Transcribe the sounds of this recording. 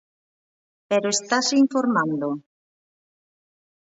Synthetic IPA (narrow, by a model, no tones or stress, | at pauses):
peɾoest̪asiɱfoɾmãnd̪o